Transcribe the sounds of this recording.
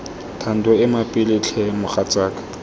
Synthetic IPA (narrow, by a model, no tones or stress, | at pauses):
tʰan̩tʊɪmapʼɪlɪt͡ɬʰɛmʊχat͡sʼaːkʼḁ